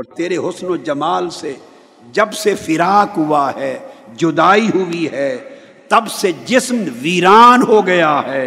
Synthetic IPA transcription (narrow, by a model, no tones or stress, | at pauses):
ɔːɾt̪eːɾeɦʊsnod͡ʒɐmaːlse | d͡ʒɐbsefɪɾaːkɦʊaɦɛːd͡ʒʊd̪aːiɦʊiɦɛː | t̪ɐbsed͡ʒɪsmʋiːɾaːnɦoɡɐjaɦɛː